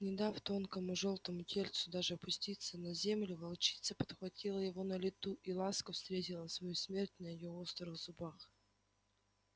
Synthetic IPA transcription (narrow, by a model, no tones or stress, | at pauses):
nʲɪd̪aft̪o̞nkəmʊʐo̞lˠt̪əmʊtʲelʲt̪sʊd̪aʐɨɐpʊsʲtʲit̪sənɐzʲe̞mlʲɪvɐlˠt͡ɕi̥t̪sːəpə̥t̪xvɐtʲʰilˠəjɪvo̞nəlʲɪt̪uʔilˠaskəfst̪ɾʲetʲɪlˠənsvɐjusmʲe̞rtʲnəjɪjoost̪ɾəvzʊbax